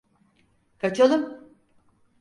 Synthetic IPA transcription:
kʰat͡ʃʰalˠɯm

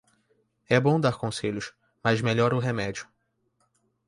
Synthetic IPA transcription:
ɛbõw̃d̪aɾkõseʎʊs | mazmeʎɔɾʊɦemɛd͡ʒiʊ

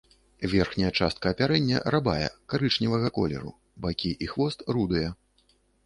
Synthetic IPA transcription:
vʲɛrxnʲɐjɐt͡ʂast̪̚kɐːpʲaɾɛnʲːɐ̰rabajɛ̰kaɾɨt͡ʂnʲivɐɣɐkɔ̰lʲɛ̰ɾṵ | bakʲiʔixvɔst̪rud̪ujɛ

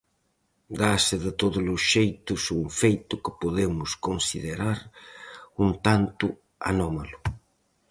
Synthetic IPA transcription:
d̪asɪðɪt̪oðʊlʊsʃejt̪ʊsuŋfejt̪ʊkɪpoðemʊskonsiðeɾaɾ | unt̪ant̪ʊ | a̰nɔmalʊ

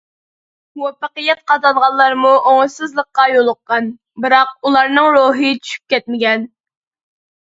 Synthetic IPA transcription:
wɑpəqəjɛt̪̚qʰɑd̪ɑnʁɑllˠɑɾmuʔoŋɨsɨzlˠəqːɑjolˠʊqːɑn | bɨɾɑq̚ulˠɑɾnɨŋɾoːɦɨt͡ʃʰy̥ʃy̥p̚kʲɛt̪̚mɪɡʲɛn

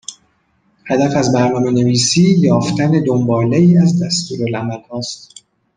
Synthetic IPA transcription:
hæd̪æfæzbæɾnɒːme̞ne̞viːsiːjɒːft̪ʰæne̞d̪ombɒːleiːæzd̪æst̪uːɾolæmælhɒːst̪

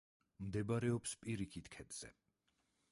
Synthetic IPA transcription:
md̪ɛbaɾɛɔpspʼiɾikʰit̪kʰɛd̪z̥ɛ̰

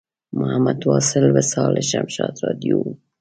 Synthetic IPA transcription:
mohæmːæd̪wɒːselbesɒːlʔeʃæmʃɑːd̪ɾɒːd̪ijo

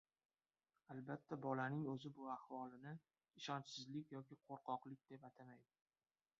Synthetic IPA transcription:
albat̪ʰːabɒlanɪŋɵzɪbʊahvɒlˠɪnɪ | ɪʃɒnt͡ʃsɪzlɪkʲjɒkʲɪqʰoɾqɒqlˠɪk̚ʲd̪̥e̞pat̪ʰamajd̪ɪ

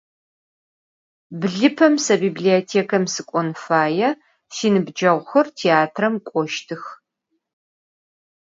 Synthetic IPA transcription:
bɮɨpʰɐmsɐbiːbliotʰeːkʰɐmsɨkʷʼɔnfaːjɛ | siːnɨbd͡ʒɐʁʷxɐrtʰeaːtʰrɐmkʷʼɔʃtʰɨx

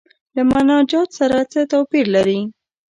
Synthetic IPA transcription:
lamanɑd͡ʒɑt̪saɾat͡sət̪apiɾlaɾi

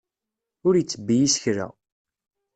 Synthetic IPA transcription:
ʊɾjət͡sːəbːijisçɾæ̰

